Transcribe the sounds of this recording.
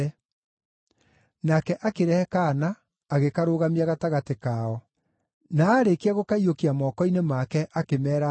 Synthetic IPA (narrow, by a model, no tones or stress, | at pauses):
nakɛʔakeɾɛɛkanaː | ɣekaɾoːɣamiaɣataɣatekaːɔ | naːɾekiaɣokaiokiamɔkɔinemakɛʔakemɛːɾa